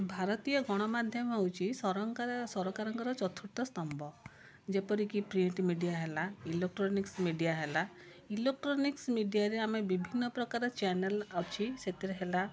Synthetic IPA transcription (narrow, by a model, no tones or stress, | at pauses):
bʱaɾɔt̪ijɔɡɔɽ̃ɔmad̪ʱjɔmawt͡ʃʰisɔɾɔŋkasɔɾɔkaɾɔŋkɔɾɔt͡ʃɔt̪ʰuʈ̪ɔst̪ɔmbʱɔ | d͡ʒepɔɾikipɾiɳʈmiɖijaɦelailek̚ʈɾɔniksmiɖijaɦela | ilek̚ʈɾɔniksmiɖijaɾeamebibʱinːɔpɾɔkaɾɔt͡ʃanelawt͡ʃʰiset̪eɾeɦela